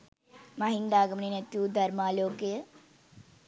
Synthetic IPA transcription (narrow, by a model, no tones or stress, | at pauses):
maɦind̪aːɡəmninet̪juːd̪ʱɐɾmaːloːkejə